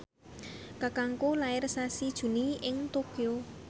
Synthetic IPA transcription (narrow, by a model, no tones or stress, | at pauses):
kakaŋkulaɪrsasid̥ʒ̥ṳniɪŋt̪okio